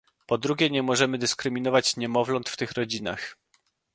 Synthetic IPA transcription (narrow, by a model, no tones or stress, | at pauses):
pɔd̪ɾuɡʲɛɲɛmɔʐɛmɘd̪ɘskɾɘmʲinɔvat͡ɕɲɛmɔvlɔnt̪ft̪ɘxɾɔd͡ʑina̰x